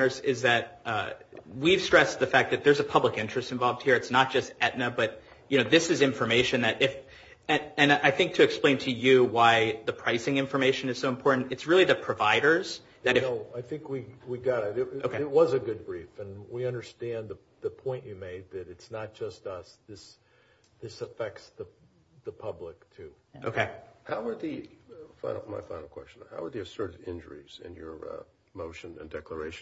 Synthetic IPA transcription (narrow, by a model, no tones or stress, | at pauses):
nə˞zɪzðɨt̚ | wiv̥stɹ̥ɛsðɨfæk̚ðɨt̪̚ðə˞zəpʰʌbləkɪ̃nt͡ʃɹ̥ɨstɨ̃ɱvɑlˠvd̚hiɹɨtsnət̚d̥ʒ̥ʌstɛʔⁿnɨbʌt̚ | jɨnoʊðɪsɨzɪ̃ɱfə˞meɪʃɨ̃nðɨɾʔɪf | ɨ̃ɨ̃nʔaɪθɪ̃ŋk̚tʰɨːksplẽɪ̃ntʰɨjɨwaɪðɨpʰɹ̥aɪsɪ̃ŋɪ̃ɱfə˞meɪʃɨ̃nɨz̥soʊə̃mpʰɔɹʔn̩tɨtsɹɪlˠiðɨpʰɹ̥ɨvaɪɾə˞z̥ | ðɨɾɨaɪθɪ̃ŋkwiwiɡɑɾoʊkʰeɪt̚wʌzɨɡʊd̚bɹifɨ̃nwiʌ̃ndə˞stæ̃nðə | ðɨpʰɔ̃ɪ̃nt͡ʃɨmeɪd̪̚ðɨɾɨtsnət̚d̥ʒ̥ʌstʌsðɪs | ðɪsəfɛk̚tsðə | ðəpʰʌblɪk̚tʰʉʔoʊkʰeɪhaʊə˞ðɨfã̰ɪ̃nl̩ˠma̰ɪfã̰ɪ̃nl̩ˠkʰw̥ɛst͡ʃnhaʊə˞ðiɨsɜ˞ɾɨɾɪ̃nd͡ʒə̰˞ḭz̥ɪ̰̃njə̰˞ | moʊʃɨ̃nɨ̰̃ndɛklə˞eɪʃ